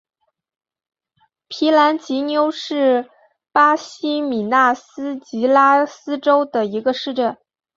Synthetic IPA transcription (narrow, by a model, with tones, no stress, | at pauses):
pʰi˧˥la˧˥nt͡ɕi˧˥njo˥ʊʂɻ̩˥˩ | pa˥ɕi˥mi˨˩na˥˩sɹ̩˥t͡ɕi˧˥la˥sɹ̩˥ʈ͡ʂo˥ʊd̪ə˨i˧˥ɡə˧ʂɻ̩˥˧ʈ͡ʂə˥˩n